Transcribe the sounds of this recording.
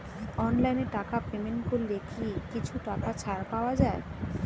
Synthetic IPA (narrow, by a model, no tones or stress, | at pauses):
ɔnlajneʈakapemenʈkoɾlekikit͡ɕʰuʈakat͡ɕʰaɾpaoad͡ʑae